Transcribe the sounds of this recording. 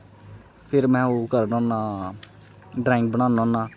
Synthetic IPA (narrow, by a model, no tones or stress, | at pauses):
pʰɪɾmɛ̃ːoːkəɾnɔ̃ːnaː | ɖɾɛ̃ːɪŋk̚bənãːnɔ̃ːnaː